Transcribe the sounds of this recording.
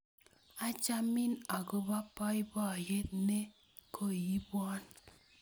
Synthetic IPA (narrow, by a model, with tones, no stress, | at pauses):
a˦t͡ʃa˦mi˦na˨ɡo˦ba˦pɔ˦i˦bɔ˦˨je˦t̚ne˦ | kʰo˦˨ji˦bwɔ˦n